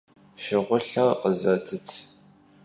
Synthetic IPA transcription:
ʃɪʁʷʊɬɐrqəzɐtʰɨtʰ

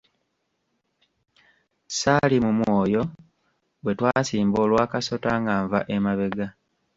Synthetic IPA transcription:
saːlimumwoːjo̞ | bwe̞twaːsiːmbo̞ːlwaːkaso̞taːŋɡaːɱvaʔemaβe̞ɡa

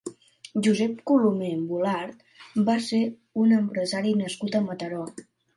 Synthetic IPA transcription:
ʒuzɛp̚kulumembulaɾt̪ | base | unəmpɾəzaɾinəskut̪əmət̪əɾɔ

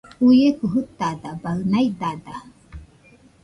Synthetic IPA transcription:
ujekuɦut̪ːad̪abaɯnajd̪ad̪a

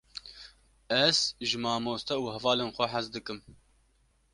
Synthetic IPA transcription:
ɛz̥ʒɨmɑːmoːst̪ɛuːɦɛvɑːleːnxʷɛħazd̪ɨkɨm

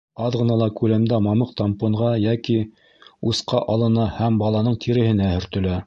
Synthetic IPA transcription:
ɑðʁɤ̆nɑlˠɑkʉlæmd̪æmɑmɤqt̪ɑmpŏɴʁɑjæki | usqɑʔɑlˠɤ̆nɑhæmbɑlˠɑnɤɴt̪ʰiɾɘ̆hɘ̆næhɵ̆ɾt̪ɵ̆læ

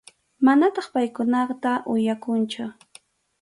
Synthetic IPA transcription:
manat̪ɑχpajkʊnɑt̪aʔʊjakʊnt͡ʃʊ

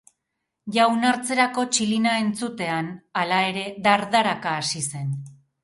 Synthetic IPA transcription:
ʝawnaɾt͡se̞ɾako̞t͡ʃilinae̞nt͡sut̪e̞analae̞ɾe̞ðaɾðaɾakaːsise̞n

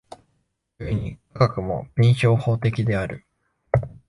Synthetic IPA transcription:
ɯɲ̟ikʰaɡakɯ̟mo̞̰b̥ʲĩɰ̃ɕo̞ːho̞ːt̪e̞kʲid̪e̞aɾɯ̟̰

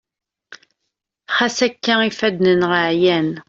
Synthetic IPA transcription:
χæsækːæifæd̪nənʁəʕjæn

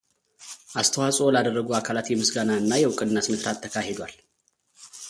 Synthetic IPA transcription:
ʔast̪ʰəwasʼolad̪ərːəɡuakʰalat̪jɛmɨsɡanaɨnːajɛwʊkʼɨnnːəsmɨsɾat̪ʰːəkʰahe̞d̪wal

